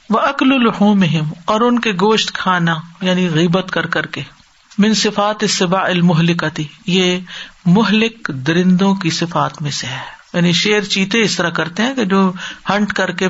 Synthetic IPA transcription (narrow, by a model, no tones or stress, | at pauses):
ʋɐʔɐklʊlʊħuːmɪɦɪmɔːɾʊnkeɡoːʃʈ̪kʰaːnajaːniɣiːbət̪kɐɾkɐɾke | mɪ̃nsɪfaːt̪ɪsːɪbaːɪlmʊɦlɪkɐt̪ɪjeːmʊɦlɪkd̪ɪɾɪ̃nd̪õkisɪfaːt̪mẽseɦɛːjaːniʃeːɾt͡ʃiːt̪eɪst̪ɐɾakɐɾt̪eɦɛ̃ked͡ʒoːhɐ̃ɳʈkɐɾke